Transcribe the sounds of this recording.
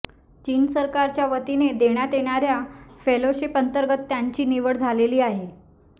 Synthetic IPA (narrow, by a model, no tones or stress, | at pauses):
t͡ɕiːnsəɾkaɾt͡ɕjaʋət̪ined̪eɽ̃jat̪eɽ̃aɾjafeloɕipənt̪əɾɡət̪ːjaɲt͡ɕiːniʋəɽd͡zʱaleliːaɦe